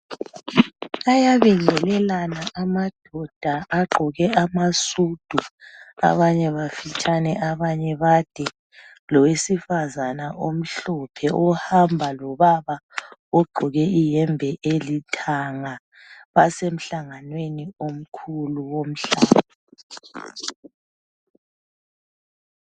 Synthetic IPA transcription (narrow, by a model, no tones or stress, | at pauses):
ajaβiŋɛlɛlanaʔamad̥ʱɔd̥ʱaʔaɡ͡ǃʱɔɣɛamasud̥ʱua̰βaɲɛβafit͡ʃʼanɛʔaβaɲɛβad̥ʱɛ | lɔwesifazanaʔom̩ɬɔpʰɛʔɔhambʱalɔβaβaɔɡ͡ǃʱɔɣɛijɛmbʱɛʔelitʰaŋa | βasem̩ɬaŋanweniom̩kʰuluwom̩ɬaːβa